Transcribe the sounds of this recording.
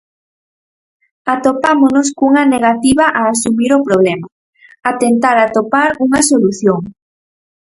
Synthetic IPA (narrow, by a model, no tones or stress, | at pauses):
at̪opamonʊskuŋɐneɣ̞at̪iβɐʔaːsumiɾopɾoβ̞lɛmɐ | at̪ent̪aɾat̪opaɾuŋɐsoluθjoŋ